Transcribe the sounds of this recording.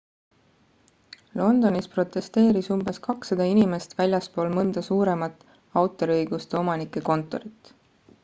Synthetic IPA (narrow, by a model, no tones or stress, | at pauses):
lo̞nd̪o̞nispro̞t̪ːˑe̞st̪e̞ːɾisumbe̞skɑksɑd̪̥ɑinime̞st̪vælʲjɑspo̞ːlmɤnd̪̥ɑsuːɾe̞mɑt̪ːˑ | ɑwt̪ːˑo̞ɾiɤjɡ̥ust̪e̞o̞mɑnikːˑe̞ko̞nt̪ˑo̞̰ɾit̪ːˑ